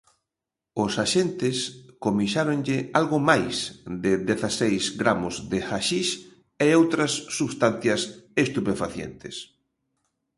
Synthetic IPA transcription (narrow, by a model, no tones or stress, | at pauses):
ʊsaʃent̪ɪskomiʃaɾonʎɪalɣʊmajsd̪ɪðeθasejsɡɾamozd̪exaʃiʃ | eowt̪ɾɐsːuβst̪an̟θjɐsest̪upefaθjḛnt̪ɪs